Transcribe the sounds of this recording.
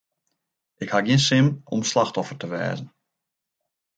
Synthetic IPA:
ɪkhaɡiənsɪmɔ̰mslaxtɔfərtəʋɛ̰ːzən̩

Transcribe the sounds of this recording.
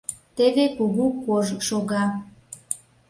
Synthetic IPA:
t̪eβekuɣukoʒʃoɣɑ

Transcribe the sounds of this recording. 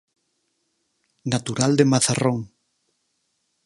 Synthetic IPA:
nat̪uɾald̪emaθaroŋ

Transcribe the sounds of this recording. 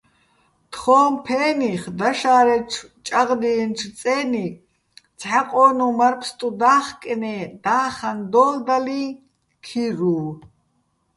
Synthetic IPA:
t̪ʰχɔːmpʰɛːniχd̪aʃaːɾɛʈ͡ʂʰt͡ʃʼaʁd̪inʈ͡ʂʰt͡sʼɛːni | t͡sʰħaqʼɔːnumaɾpʰst̪ʼud̪aːχkʼɛnɛd̪aːχand̪ɔːld̪ali | kʰiɾuː

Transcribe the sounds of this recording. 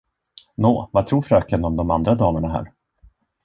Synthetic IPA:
noːvat̪ʰɾuːɾfɾœːkənɔmd̪ɔma̰nd̪ɾad̪ɑːlaɳaɦæ̰ːɾ

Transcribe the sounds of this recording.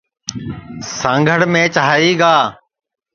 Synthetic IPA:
sãːŋɡʱəɽmẽːt͡ʃaɦiːɡaː

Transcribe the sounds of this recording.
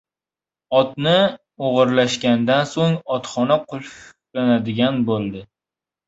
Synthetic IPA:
ɒt̪nɪ | oʁɨɾlaʃɡʲand̪ansoŋɒt̪χɒnaqʰʊlˠf | lanad̪ɪɡʲanbolˠd̪ɪ

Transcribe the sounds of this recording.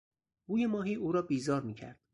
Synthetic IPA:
buːje̞mɒːɦiːʔuːɾɒːbiːzɒːɾmiːcʰæ̰ɾd̪̥

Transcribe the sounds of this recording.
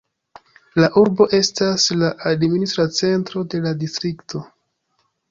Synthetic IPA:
laʔuɾbo̞ʔe̞staslaʔadministɾat͡se̞ntɾo̞de̞ladistɾiktʰo̞

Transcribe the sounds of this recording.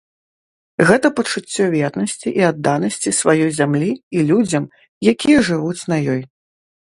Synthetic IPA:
ɣɛt̪ɐpɐt͡ʂut͡sʲːɔvʲɛt̪nɐsʲt͡sʲiʔiad̪ːanɐsʲt͡sʲisvajɔjzʲamlʲiilʲud͡zʲɐm | jakʲijɐʐɨvut͡sʲnɐjɔj

